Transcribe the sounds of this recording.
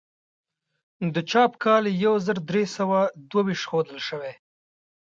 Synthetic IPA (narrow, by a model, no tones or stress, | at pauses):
d̪ət͡ʃɑpkʰɑljawzəɾd̪ɾesəwad̪wawiʃt̪xod̪əlʃəwe